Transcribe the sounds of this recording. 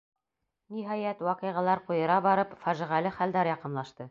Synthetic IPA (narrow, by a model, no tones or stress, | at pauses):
niɦɑjæt̪wɑqɤ̆jʁɑ̆lˠɑɾqujɤ̆ɾɑbɑɾɤpfæʒĭʁælɘχæld̪æɾjɑqɤ̆nlˠɑʃt̪ɤ